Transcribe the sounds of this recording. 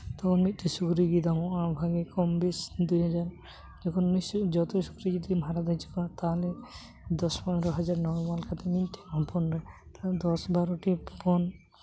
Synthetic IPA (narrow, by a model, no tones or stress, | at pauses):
t̪ɔkʰɔnmit̪̚ːisukɾiɡid̪amɔʔabʱaɡekɔmbisd̪ujɦɔd͡ʒaɾ | d͡ʒɔkʰɔnːisd͡ʒɔt̪esu̥kɾiɡid̪imʱaɾad̪ajt͡ʃʰi̥kat̪aɦɔle | d̪ɔspɔnɾɔɦɔd͡ʒaɾnɔwmalkʰat̪ʰeminʈ̪iapʰɔnɾat̪ad̪ɔsbaɾoʈippɔn